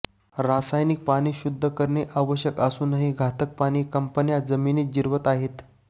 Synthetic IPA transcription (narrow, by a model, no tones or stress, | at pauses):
ɾasajnik̚paɽ̃iːɕud̪ʱːəkəɾɳeʔaʋəɕjəkəsuːnəɦiːɡʱat̪ək̚paɽ̃iːkəmpənjad͡zəminiːt̪̚d͡ʑiɾʋət̪aɦet̪